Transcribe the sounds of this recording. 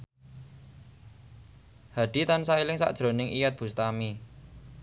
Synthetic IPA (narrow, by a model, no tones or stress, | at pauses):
had̥i̤t̪ansailɪŋsa̰ʔd̥ʒ̥ɾo̤nɪŋʔijat̪̚b̥ṳst̪ami